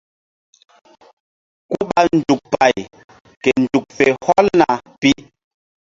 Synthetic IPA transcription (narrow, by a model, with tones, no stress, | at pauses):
ku˦ɓa˦n̩˨d͡ʒu˨k̚pa˨j | kɛ˨n̩˨d͡ʒu˨k̚fɛ˨hɔ˦lna˨pi˦